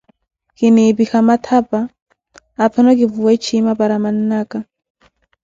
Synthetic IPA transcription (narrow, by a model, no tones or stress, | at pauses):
kinibixamat̪ʰapaː | pʰanɔkivuwat͡ʃʰimapaɾaman̩ːaka